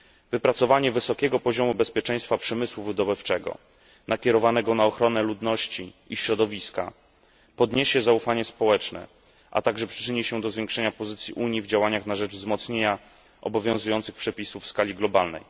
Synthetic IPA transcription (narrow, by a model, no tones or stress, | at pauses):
vɘpɾat̪sɔvaɲɛvɘsɔkʲɛɡɔpɔʑɔmubɛspʲjɛt͡ʂɛ̃j̃st̪fapʂɛmɘswuvɘd̪ɔbɘft͡ʂɛɡɔ̰ | nakʲɛɾɔvanɛɡɔnaɔxɾɔnɛlud̪nɔɕt͡ɕiiɕɾɔd̪ɔvʲiska̰ | pɔd̪ɲeɕɛzaufaɲɛspɔwɛt͡ʂnɛ̰ | ʔa̰t̪aɡʐɛpʂɘ̥t͡ʂɘɲiɕɛd̪ɔzvʲjeŋkʂɛɲapɔzɘt̪sʲjiʔuɲjivd͡ʑawaɲaxnaʐɛd͡ʐvzmɔt̪sɲeɲa | ʔɔbɔvʲjɔ̃zujɔnt̪sɘxpʂɛpʲisufskalʲiɡlɔbalnɛ̰j